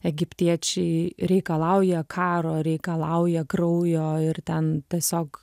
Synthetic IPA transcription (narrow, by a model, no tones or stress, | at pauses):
ɛɡʲɪpʲt̪ʲiɛt͡ʃʲɛɪɾʲɛɪkɐlˠɐʊjɛkʰɑːɾoːɾʲɛɪkɐlˠɐʊjɛɡɾɐʊjoːɪɾt̪ʲɛnt̪ʲiɛsʲoːk